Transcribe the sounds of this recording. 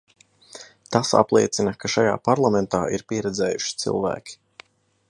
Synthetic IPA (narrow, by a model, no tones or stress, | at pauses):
t̪asa̰plˠḭɛt̪sinɐkaʃaja̰ːpaɾlˠamɛnt̪aːʔiɾpiɛɾɛd̪zɛːjuʃi̥t̪sḭlˠvæ̰ːkʲi̥